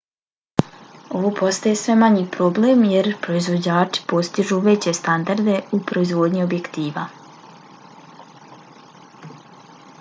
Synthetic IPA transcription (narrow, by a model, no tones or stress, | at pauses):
o̞ʋoːpo̞st̪ajesʋe̞maɲiːpɾo̞blemje̞ɾpɾo̞izʋo̞d͡ʑaːt͡ʃi̥po̞st̪iʒuʋe̞t͡ɕe̞st̪and̪aɾd̪e̞upɾo̞izʋo̞ːd̪ɲiobje̞kt̪iːʋa